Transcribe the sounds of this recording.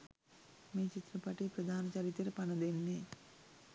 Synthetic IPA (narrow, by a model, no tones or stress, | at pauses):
miːt͡ʃit̪ɾɐpɐʈipɾɐd̪ʱaːnɐt͡ʃɐɾit̪ːɐɾɐpɐnɐd̪enːi